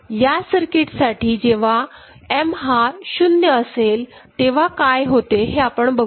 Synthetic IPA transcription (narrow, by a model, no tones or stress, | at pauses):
jasəɾkɪʈsaːʈʰid͡ʑeːʋ̤a | emɦaʃʊnjəəseːl | t̪eːʋ̤akaːjɦoːt̪eɦeapəɳbɐ